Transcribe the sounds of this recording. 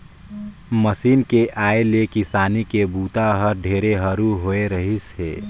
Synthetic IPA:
məsiːnkeʔaːelekɪsaːnikebuːt̪aɦəɾɖʱeːɾeɦəɾuɦoeɾəɦisɦḛː

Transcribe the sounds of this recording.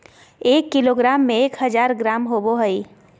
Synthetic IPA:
eːkːɪloːɡɾaːmːẽeːkɦɐzaːɾɡɾaːmɦoboɦəi

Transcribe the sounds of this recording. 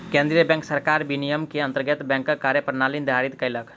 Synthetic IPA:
kẽnd̪ɾijəbɛ̃ŋksəɾkaɾbinijəmkeənt̪əɾɡət̪bɛ̃ŋkːəkaɾjəpɾnalind̪ʱaɾit̪kəɪlək

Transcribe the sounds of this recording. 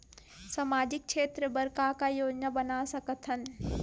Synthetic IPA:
samaːd͡ʒɪk̚ʃeːt̪ɾəbəɾkakajoːd͡ʒnabənasɐkət̪ʰən

